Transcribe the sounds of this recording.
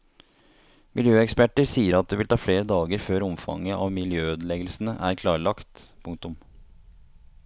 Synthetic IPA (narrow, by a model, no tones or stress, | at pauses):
mɪljøːɛkspæʈəɾsiːəɾɑt̪̚d̪eːʋɪlt̪ɑːfleːɾəd̪ɑːɡəɾføːɾɔmfɑ̰ŋːəʔɑʋmɪljøːøːd̪əlɛɡəlsn̩əʔæɾkʰlɑːɭɑkt̪pʰʊŋkt̪ʊm